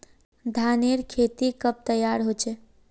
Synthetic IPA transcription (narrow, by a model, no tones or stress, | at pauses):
d̪ʱaneɾkʰet̪ikəp̚t̪əjaɾɦot͡ʃɛ